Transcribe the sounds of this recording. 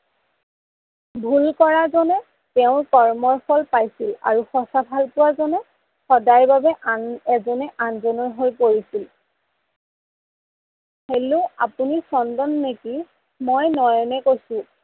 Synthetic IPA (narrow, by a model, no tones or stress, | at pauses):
bʱulkɔɹazɔnɛ | tɛʊ̃kɔɹmɔɹfɔlpajsila̰ɹuxɔsabʱalpʊwazɔnɛ | xɔdajbabɛʔaɛzɔnɛʔanzɔnɔɹɦolpoɹisil | helʊapunisɔndɔnːeki | mɔjnɔjɔnɛkojsʊ̃